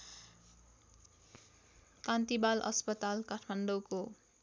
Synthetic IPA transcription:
kant̪ibalʌ̰spʌt̪alkaʈʰmaɳɖʌwko

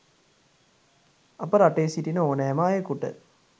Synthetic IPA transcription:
apəɾaʈejesiʈinəoːnəɛmaːjekuʈə̰

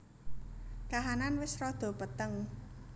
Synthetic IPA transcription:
kaɦananwɪsrɔd̪̥ɔ̤pət̪əŋ

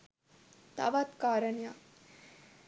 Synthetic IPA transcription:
t̪a̰ʋat̪kaːɾəɳja

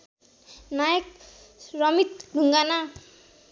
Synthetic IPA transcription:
najʌk̚ | srʌmit̪̚ɖʱuŋɡana

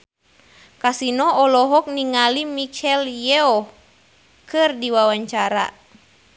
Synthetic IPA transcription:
kasinɔːlɔɦɔk̚niŋalimit͡ʃɛljɛɔ | kɨrdiwawaɲt͡ʃaɾa̰

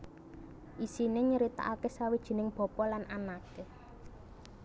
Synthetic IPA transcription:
ʔisineɲəɾit̪a̰ʔakesawid̥ʒ̥i̤nɪŋb̥ɔ̤pɔlanʔanake

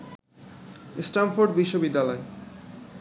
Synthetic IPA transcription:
sʈamfoɾɖbiʃːobid̪ːalɔe

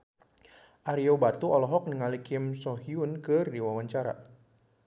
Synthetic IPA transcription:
ʔaɾiobat̪uɔlɔɦɔk̚niŋalikɪmsɔɦiunkɨrdiwawaɲt͡ʃaɾa̰

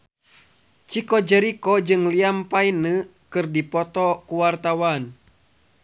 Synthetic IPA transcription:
t͡ʃikɔd͡ʒəɾikɔd͡ʒɨŋliampainə | kɨrdipɔt̪ɔkuwart̪awan

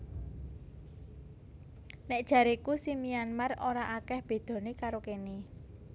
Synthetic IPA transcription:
nɛʔ̚d̥ʒ̥ä̤ɾikusimianmaroɾaʔakɛhb̥e̤d̪̥ɔ̤nikaɾokeni

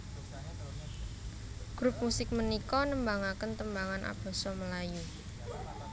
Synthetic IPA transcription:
ɡ̥ɾup̚musɪk̚mənikɔnəmbaŋakənt̪əmbaŋanʔa̰b̥a̤sɔməlaju

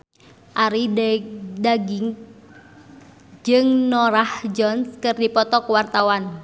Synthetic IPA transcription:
ʔaɾi | daɡiŋ | d͡ʒɨŋnɔɾahd͡ʒɔnskɨrdipɔt̪ɔkəwart̪awan

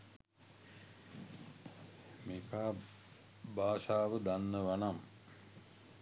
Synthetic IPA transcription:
meːkaː | baːsaːʋəd̪anːəʋanam

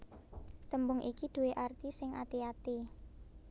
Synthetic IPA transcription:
t̪əmbʊŋʔikid̪̥ṳweʔart̪isɪŋʔa̰t̪iat̪i

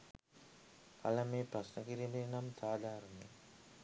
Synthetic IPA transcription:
kʰa̰ləmeːpɾasnəkiɾibenamt̪aːd̪aːɾəne

